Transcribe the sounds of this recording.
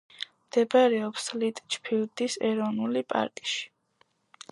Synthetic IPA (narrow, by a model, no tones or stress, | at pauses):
md̪̥ɛbaɾɛɔpslit̪ʼt͡ʃʰpʰild̪isɛ̰ɾɔnulipʼa̰ɾkʼi̥ʃi̥